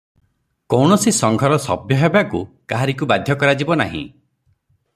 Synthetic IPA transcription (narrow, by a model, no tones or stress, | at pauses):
kɔwɳɔsisɔŋɡʱɔɾɔsɔ̰bjɔɦebakukaɦaɾikubad̪ʱjɔkɔɾad͡ʒibɔna̰ɦḭ̃